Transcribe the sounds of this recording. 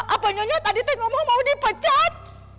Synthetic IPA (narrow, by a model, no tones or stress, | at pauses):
ʔapəɲɔɲat̪adit̪əŋɔmɔmaudipət͡ʃat̪̚